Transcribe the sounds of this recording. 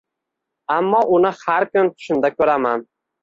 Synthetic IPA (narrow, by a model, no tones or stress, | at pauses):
amːɒʔʊnɪhaɾkʊnt̪ʰʊ̥ʃɪnd̪akʰɵɾaman